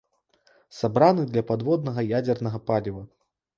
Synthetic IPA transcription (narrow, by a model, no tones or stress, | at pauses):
sabɾanɨd̪lʲɐpad̪vɔd̪nɐɣɐjad͡zʲɛrnɐɣɐpalʲivɐ